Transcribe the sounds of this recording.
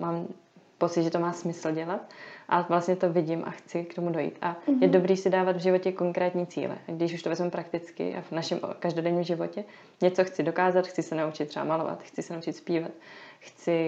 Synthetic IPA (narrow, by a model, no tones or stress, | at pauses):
maːm | po̞tt͡sɪt̪ʒɛt̪o̞maːsmɪsl̩ɟɛlat̪ʔavlast̪ɲɛt̪o̞vɪɟɪmʔa̰xt͡sɪkt̪o̞mudo̞jḭːt̪ʔajɛdo̞bɾiːsɪdaːvad̪vʒɪvo̞cɛko̞ŋkɾɛːt̪ɲiːt͡sḭːlɛ̰ʔaɡdɪʃuʃt̪ovɛzmɛmpɾʔakt̪ɪt͡skɪ̰ʔa̰vnaʃɛmʔkaʒdo̞dɛɲiːmʒɪvo̞cɛ | ɲɛt͡so̞xt͡sɪdo̞kaːzat̪xt͡sɪsɛnaut͡ʃɪt̪ːrɛba̰malo̞̰va̰t̪xt͡sɪsɛnaut͡ʃɪt̪spiːvat̪xt͡sɪ